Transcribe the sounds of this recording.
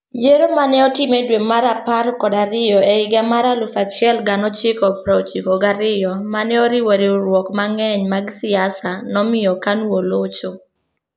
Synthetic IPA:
jeɾomanɛɔtɪmedwemaɾapaɾkɔdaɾɪjɔeɪɡamaɾalʊfat͡ʃɪɛlɡanɔt͡ʃɪkɔpɾaot͡ʃikɔɡaɾɪjɔmanɛɔɾɪwoɾiɾwɔkmaŋɛɲmaɡsɪasanɔmɪjɔkanwolot͡ʃo

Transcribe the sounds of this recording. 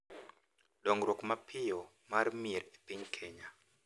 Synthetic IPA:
dɔŋɾokmapʰɪɔ | marmeɾe̥piɲkʰeɲa

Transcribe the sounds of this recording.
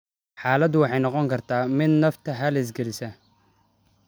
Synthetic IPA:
ħaːlɐd̪ʊwɑħɑjnɑqɔŋkʰɐrt̪ʰaːmɪd̪nɐft̪ʰɐɦɐlɛs̬ɡɛlɪsɐ

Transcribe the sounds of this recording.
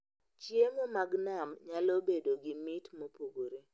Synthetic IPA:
t͡ʃjemomaɡnamɲalobedoɡɪmɪtmopuɡoɾe

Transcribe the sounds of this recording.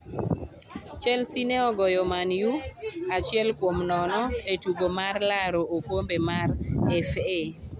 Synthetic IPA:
t͡ʃɛlsineɔɡɔjɔmanjuat͡ʃɪɛlkwomnɔnɔetuɡomarlaɾoʔopombemarɛfe

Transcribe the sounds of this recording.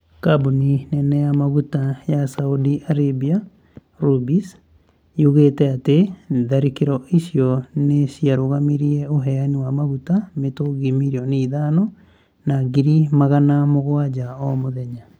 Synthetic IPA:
kabuninɛnɛjamaɣutajasaudiʔaɾebia | ɾubis | juɣetɛateðaɾikeɾɔʔisiɔnesjaɾoɣamiɾiɛoɦɛaniwamaɣutametoɡimiɾiɔneiðanɔ | naɡiɾimaɣanamoɣwad͡ʒaɔmoðɛɲa

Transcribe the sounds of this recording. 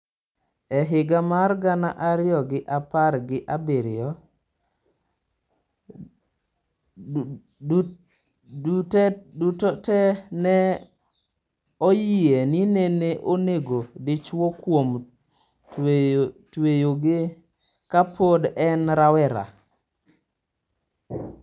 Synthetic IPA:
ɛɦɪɡamarɡanaʔaɾɪɔɡɪʔapaɾɡɪʔabeɾɪɔ | utɛdutotɛnɛ | ojienineneʔoneɡodɪt͡ʃwokwom | t | twejoɡɪ | kapodɛnɾawɛɾa̰

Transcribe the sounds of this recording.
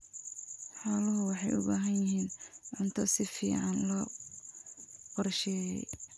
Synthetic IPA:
ħaːlɐɦʊwɑħɑjʔʊbaːɦɐnjɪɦiːnʕʊnt̪ʰɔsɪfḭːʕɑnlɔ | qɔrʃɛːjɛ̰j

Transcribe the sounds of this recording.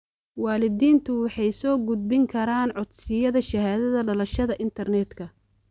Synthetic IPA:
wɑːlɪd̪iːnt̪ʰʊwɑħɑjsɔːɡʊd̪̚bɪŋkʰɐɾaːnʕɔd̪sɪjɐðɐʃɐɦaːðɐðɐɖɐlɐʃɐðɐʔɪnt̪ʰɐrnɛd̪kʰɐ

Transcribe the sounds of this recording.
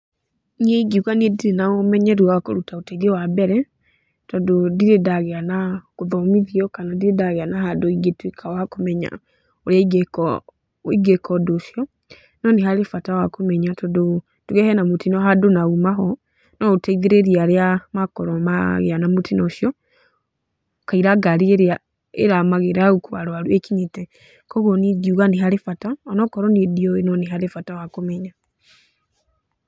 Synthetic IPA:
ɲɛiɡiukaniɛdiɾenaomɛɲɛɾuwakoɾutaotaiðɛwabɛɾɛ | tɔdodiɾedaɣeanakoðɔmiðiɔkanadiɾedaɣeanaɦadoiɡetwikʰawakomɛɲa̰ | oɾjaiɡɛk | iɡɛkɔdoʃjɔ | nɔnehalefatawakomɛɲatɔdo | tuɣɛhɛnamutinɔɦadonaumaɦɔ | nɔutaiðeɾeɾiaɾeamakɔɾɔma̰ɣḛanamutinɔʃjɔ | kaiɾaɡaɾieɾa | ḛɾamaɣeɾaɣukuaɾwaɾuekiɲitɛ | kɔɣɔnidiuɣaniɦaɾefataɔnɔkɔɾɔnidioenɔneɦaɾefatawakomɛɲa

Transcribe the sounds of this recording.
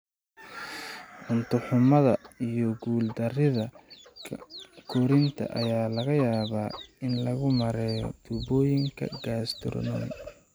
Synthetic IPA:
ʕʊnt̪ʰʊħʊmɐðɐijɔɡuːld̪ɐrɪðɐ | kʰɔɾɪnt̪ʰɐ̰ʔɐ̰jaːlɐɣɐjaːβaːɪnlɐɣʊmɐɾɛːjɔ̰d̪̥ubɔːjɪŋkʰɐ̰ɡaːst̪ʰɪ̰rnɔ̰n

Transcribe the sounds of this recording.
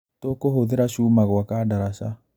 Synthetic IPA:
tokoɦoðeɾaʃuːmaɣwakadaɾaʃa

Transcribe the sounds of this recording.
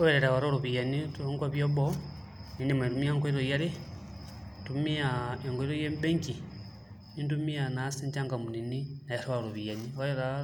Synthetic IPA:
oeɾeɾawaɾoloβijanituoŋɡwaβjoβo | nindimetumiaŋɡeɾojaɾe | tumiaeŋɡweɾojembeŋki | nintumianasiɲt͡ʃaŋɡamunininajaɾawaloβijanioeɾa

